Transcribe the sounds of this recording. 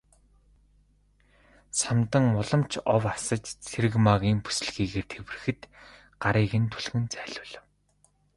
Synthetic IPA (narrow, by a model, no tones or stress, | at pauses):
samt̪ə̆ŋʊɮɞ̆mt͡ɕʰɔwasə̆t͡ɕt͡sʰeɾɘ̆ɣmaɣʲiːŋpu̥sɘ̆ɮɣiːɣeːrt̪ʰewɘ̆rɘ̆xɘ̆t̪ | ɢaɾiːɣɘ̆nt̪ʰuɮɣɘ̆nt͡sæːɮʊːɮ